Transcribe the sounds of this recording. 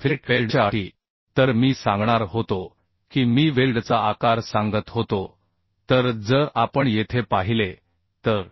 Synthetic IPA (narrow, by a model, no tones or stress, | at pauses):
fʈʋelɖt͡ɕaaʈi | t̪əɾmiːsãŋɡɳaɾɦot̪o | kiːmiːʋelɖt͡saakaɾsãŋɡət̪ɦot̪o | t̪əɾd͡zəɾapəɳjet̪ʰepaɦile | t̪əɾ